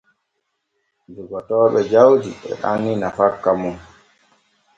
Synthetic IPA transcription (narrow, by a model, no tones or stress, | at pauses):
d͡ʒuɡɔtɔːɓɛd͡ʒawdiɓɛ̰ɗa̰nːinafakːamun